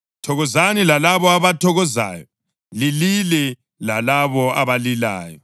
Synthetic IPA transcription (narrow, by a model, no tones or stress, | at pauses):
tʰɔɣɔzanilalaβɔaβatʰɔɣɔza̰ːjɔ | lililɛ | lalaβɔaβalila̰ːjɔ